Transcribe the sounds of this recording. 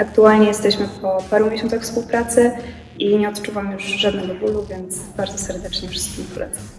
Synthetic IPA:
akt̪ualɲɛjɛst̪ɛɕmɘpɔpaɾũeɕɔnt̪axfspuwpɾat̪sɘ | iɲɛɔt̪t͡ʂuvamjuʐʐad̪nɛɡɔbuluvʲjɛnt̪sbaɾd̪zɔsɛɾd̪ɛt͡ʂɲɛfʂɘ̥st̪kʲimpɔlʔɛ̰t̪sam

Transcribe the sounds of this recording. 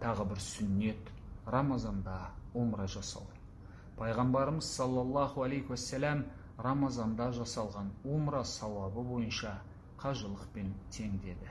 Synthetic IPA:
t̪ʰɑʁəbɪɾsʏnːe̞t̪ | rɑmɑzɑnd̪ɑwomɾɑʒɑsɑ̰w | pʰɑjʁɑmbɑɾəməzsɑlˠːɑlˠːɑhualejkwæsːælæm | rɑmɑzɑnd̪ɑʒɑsɑlˠʁɑnwomɾɑsɑwɑbəbo̞jənʃɑ | qʰɑʒəlˠəqpe̞nt̪ʰe̞ŋd̪e̞d̪ɪ

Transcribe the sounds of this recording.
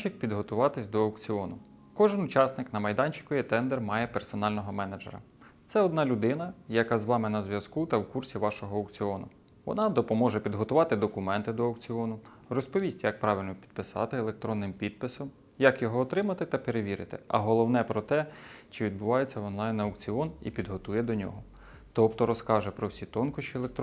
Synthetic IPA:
ɪk̚pʲid̪ɦɔt̪ʊʋɑt̪ɪsʲd̪ɔɐwkt͡sʲiɔnʊ | kɔʒɪnʊt͡ʃɑsnɪknɐmɐjd̪ɑnʲt͡ʃɪ̥kɔjit̪ɛnd̪ɛrmɑjɛpersɔnɑlʲnɔɦɔmɛnɐd͡ʒḛɾɐ̰ | t̪sɛɔd̪nɑlʲʊd̪ɪnɐjɐkɑzʋɑmɪnɐzʲʋjɐskut̪ɐwkursʲiʋɑʃɔɦɔːɐwkt͡sʲiɔnʊ̰ | ʋɔ̰nɑd̪ɔpɔmɔʒɛpʲid̪ɦɔt̪ʊʋɑt̪ɪd̪ɔkʊmɛnt̪ɪd̪ɔɐwk̚t͡sʲiɔnʊ | rɔspɔʋʲisʲtʲjɐk̚pɾɑʋʲɪlʲnɔpʲi̥d̪̥̚pɪsɑ̰t̪ɪelˠek̚t̪ɾɔnːɪmpʲid̪̚pɪsɔm | jɐkjɔɦɔːt̪ɾɪmɐt̪ɪt̪ɐpeɾeʋʲiɾɪ̰t̪ɪ̰ɐ̰ɦɔlˠɔwnɛpɾɔt̪ɛt͡ʃɪʋʲid̪̚bʊʋɑjet͡sʲːɐɔnlˠɑjnɐɐwkt͡sʲiɔnipʲid̪ɦɔt̪ujɛd̪ɔnʲɔ̰ɦɔ | t̪ɔpt̪ɔɾɔskɑʒɛpɾɔwsʲit̪ɔnkʊʃt͡ʃilˠek̚t̪

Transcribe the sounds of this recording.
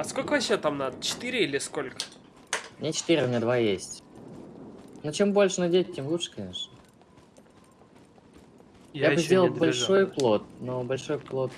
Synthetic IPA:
ɐskolʲkəvɐɕet̪amnad̪ət͡ɕɪ̥t̪ɨɾʲɪilʲɪskolʲkə̥ | mnʲet͡ɕɪ̥t̪iɾʲɪʊmʲnʲed̪vajesʲtʲ | not͡ɕe̞mbo̞lʲʂɨnɐdʲet̚ʲtʲemlˠutʂə̥kɐnʲe̞ʂnə | jaɨzʲd̪ʲe̞lˠəbɐlʲʂʂo̞jplˠo̞t̪̚nobɐlʲʂo̞jplˠo̞t̪

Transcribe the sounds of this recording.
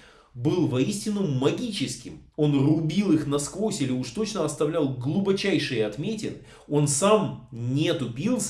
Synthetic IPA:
bɨlˠvɐisʲtʲɪnːʊmɐɡʲit͡ɕɪskʲɪmo̞nrʊbʲilˠɨxnɐskvo̞sʲilʲɪuʂt̪o̞t͡ɕnəɐst̪ɐvlʲælˠɡlˠubɐt͡ɕæjʂɨjəɐt̪mʲetʲɪ̰lˠ | o̞nsamnʲet̪ʊpʲilˠs

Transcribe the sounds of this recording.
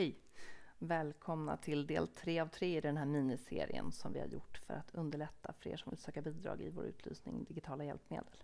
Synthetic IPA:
ɛj | vɛːlkʰɔmna̰t̪ʰɪld̪eːlt̪ʰɾeːavt̪ʰɾeːɪd̪ɛnɦæːɾmiːnɪseːɾɪə̰nsɔmvɪ̰ha̰ɾjʊʈːfœɾʔat̪ʰɵnd̪əɭɛt̪ːaflḛːʂɔmvɪlsøːkabiːd̪ɾɑ̰ːɡɪvoːɾʉ̟ːt̪ʰlyːsnɪŋd̪ɪɡɪt̪ʰɑːlajɛlpmḛːd̪əl

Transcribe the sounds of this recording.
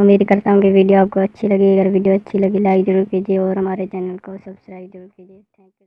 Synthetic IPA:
ɐmiːɾikɐɾt̪aɦũkiʋiːɖijoaːp̚koɐtːʃʰilɐɡiɐɡəɾʋiːɖijoɐtːʃʰilɐɡilaːɪkzɐɾuːɾkiːd͡ʒieɔːɾɦɐmaːɾet͡ʃɛːnəlkosɐbskɾaːɪbzɐɾuːɾkiːd͡ʒiet̪ʰɛ̃ːŋkju

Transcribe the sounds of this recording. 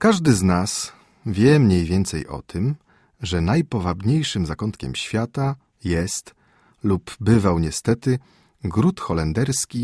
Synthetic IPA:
kaʐd̪ɘznas | vʲjɛmɲejvʲjɛnt̪sɛ̰jʔɔ̰t̪ʰɘm | ʐɛnajpɔvabɲejʂɘmzakɔnt̪kʲɛ̰mɕfʲjat̪a | jɛst̪ | lubbɘvawɲɛst̪ɛt̪ɘ | ɡɾut̪xɔlɛnd̪ɛɾskʲi

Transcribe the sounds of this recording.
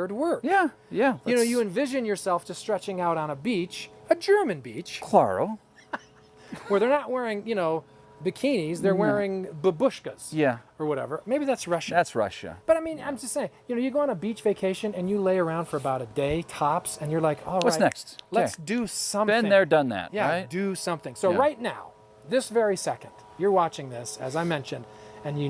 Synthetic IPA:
ə˞d̚wɜ˞kjæ | jæɨnoʊjɨɨ̃ɱvɪʒɨ̃njə˞sɛlˠftʰɨstɹ̥ɛt͡ʃɪ̃ŋaʊɾ̃n̩əbit͡ʃɨd͡ʒɜ˞mɨ̃nbit͡ʃkʰl̥ɑ̰ɹo̰ʊ | wə˞ðə˞nəʔ̚wɛɹɪ̃ŋjɨnoʊ | bɨkʰĩnizðə˞wɛɹɪ̃ŋbəbʊʃkɨz̥jæə˞wʌɾɛ̰və˞meɪbiðætsɹʌʃætsɹʌ̰ʃɨ̰b̥ʌɾaɪmĩnã̰ɪ̃md͡ʒʌstseɪɪ̃ŋjɨnoʊjɨɡoʊə̃nəbit͡ʃv̥eɪkʰeɪʃɨ̃nɨ̃njɨleɪə˞ãʊ̃nd̥fə˞ɨbaʊɾɨdeɪtʰɑpsɨ̃njə˞laɪkʰɔ̰lˠwʌsnɛkstlɨsd̥ɨsʌ̃mɨ̃ñðə˞dʌ̃nðæ̰t̚jæaɪtdɨsʌ̃mθɪ̃ŋsoʊɹaɪtⁿnaʊ | ðɪsvɛɹisɛkɨ̃nd̥jə˞wɑt͡ʃɪ̃ŋðɪsɨ̰zaɪmɛ̃nʃɨ̃ndɨ̃njɨ

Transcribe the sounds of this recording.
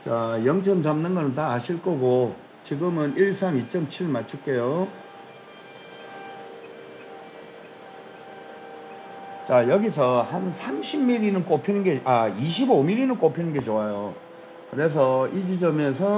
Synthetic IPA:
t͡ɕajʌŋt͡ɕʰʌmt͡ɕamnɯnɡʌnɯntaːɕʰiɭk͈ʌɡo | t͡ɕiɡɯmɯniɭsʰamit͡ɕ͈ʌmt͡ɕʰiɭmat͡ɕʰuɭk͈ejo | t͡ɕajʌɡis̬ʰʌhansʰamɕʰibmiɾinɯnk͈opʰinɯnɡe̞aiɕʰibomiɾinɯnk͈opʰinɯnɡe̞t͡ɕoajo | kɯɾes̬ʰʌid͡ʑid͡ʑʌmjʌns̬ʰʌ

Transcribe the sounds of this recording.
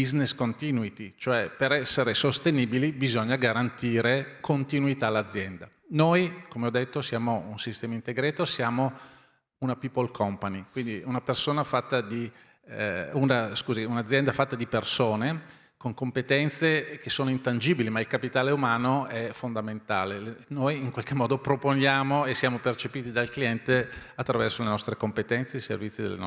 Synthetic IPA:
bizneskont̪iːnuit̪it͡ʃoɛpeɾɛsːeɾesost̪eniːbilibizɔɲːaɡaɾant̪iːɾekʰont̪inuit̪aːlːad̪zːjɛnd̪a | nojkomeɔd̪ːet̪ːosjaːmounsist̪ɛːmaint̪eɡɾeːt̪osjaːmo | unapipːolkʰɔmpanikwind̪iunapersoːnafat̪ːad̪i | unaskuːziunad̪zjɛnd̪afat̪ːad̪ipersoːne | koŋkompet̪ɛnt̪sek̟esoːnoint̪and͡ʒiːbilimailkapit̪aːleumaːnoɛfond̪ament̪a̰ːlenojiŋkwalk̟emːɔːd̪opɾoponjaːmoesːjaːmopert͡ʃepiːt̪id̪alkliɛnt̪eat̪ːɾavɛrsolenɔst̪ɾekompet̪ɛnt̪sesḛrvit̪sːid̪ḛlḛn

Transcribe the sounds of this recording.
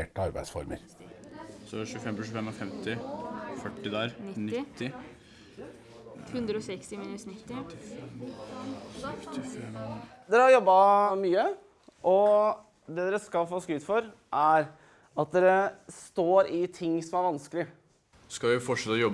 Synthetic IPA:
eːʈəɑɾbæ̰ɪsfɔ̰ɾmə̰ɾ | sɔʃʉːfɛmpɔʃʉːfɛmːɔfɛmt̪ɪfœʈːɪd̪æɾnɪɪt̪ːɪ | hʉnd̪ɾəɔsɛkst̪ɪmiːnʉsnɪt̪ːɪ | t̪ɪɛd̪ɛɾəhɑɾjɔbːɑmyːə | ʔɔ | d̪ɛd̪ɛɾəskɑlfoːskʉːt̪fɔɾ | ʔæɾ | ɑt̪̚d̪ɛɾəst̪oːɾɪt̪ʰɪŋːsɔmæɾʋɑnskəlɪə | skɑʋɪfɔʈʂɛt̪ːɔjɔb

